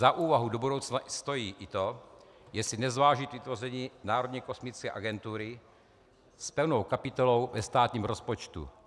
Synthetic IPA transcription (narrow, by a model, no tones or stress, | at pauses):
zaʔuːvaɦudobudo̞wt͡snast̪o̞jiːʔɪt̪o̞jɛsɪnɛzvaːʒɪt̪vɪt̪vo̞rɛɲiːnaːɾod̪ɲɛko̞smɪt͡skɛ̰ːʔaɡɛnt̪uɾɪ | spɛwnowkapɪt̪olowvɛst̪aːt̪ɲiːmɾospot͡ʃt̪ṵ